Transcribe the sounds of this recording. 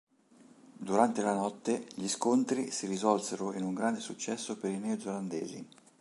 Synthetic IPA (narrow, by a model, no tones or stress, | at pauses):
d̪uɾant̪elanɔt̪ːeʎiskont̪ɾisiɾizɔlseɾoinuŋɡɾand̪esut͡ʃːɛsːopeɾinɛod̪zeland̪eːzḭ